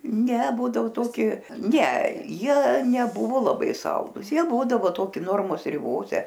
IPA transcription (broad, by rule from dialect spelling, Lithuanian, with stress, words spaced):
nʲɛ ˈbuːdɐʋoː ˈtoːkʲɪ nʲɛ ˈjiɛ nʲɛˈbʊʋoː lˠɐˈbɐɪ ˈsɐlˠduːs ˈjiɛ ˈbuːdɐʋoː ˈtoːkʲɪ ˈnoːrmoːs rʲɪˈboːsʲɛ